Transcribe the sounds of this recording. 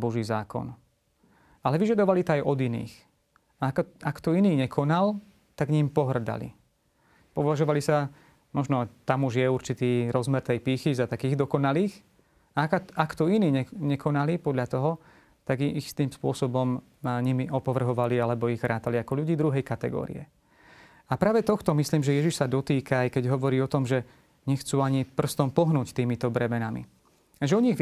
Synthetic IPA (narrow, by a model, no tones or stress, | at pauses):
bɔʒiːzaːkɔ̰n | alɛʋiʒad̪ɔʋalit̪ɔajʔɔd̪inḭːx | aakt̪ɔiniːɲɛkʰɔnal | t̪aɡɲimpɔɦr̩d̪a̰lḭ | pɔʋaʒɔʋalisa | mɔʒnɔt̪amuʒjɛuɾt͡ʃit̪iːɾɔzmɛɾt̪ɛjpiːxizat̪akiːɣd̪ɔkɔnaliːx | aakt̪ɔiniːɲɛɲɛkʰɔnaliːpɔd̪ʎat̪ɔɦɔ | t̪aɡxst̪iːmspʊɔsɔbɔm | ɲimiʔɔpɔʋr̩ɦɔʋalialɛbɔiɣʋɾaːt̪aliakɔʎuɟiːd̪ɾuɦɛjkat̪ɛɡɔ̰ːɾḭɛ̰ | apɾaːʋɛt̪ɔxt̪ɔmisliːmʒɛjɛʒiʃsad̪ɔt̪iːkaːjkɛɟɦɔʋɔɾiːɔt̪ɔmʒɛ | ɲɛxt͡suːaɲipr̩st̪ɔmpɔɦnuːct̪iːmit̪ɔbɾɛmɛnamḭ | aʒɛɔɲiɣ